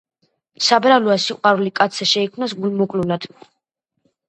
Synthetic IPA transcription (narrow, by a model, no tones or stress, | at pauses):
sabɾalɔasiqʼwaɾulikʼat̪sʰɛʃɛikʰmnasɡulmɔkʼlulad̪̥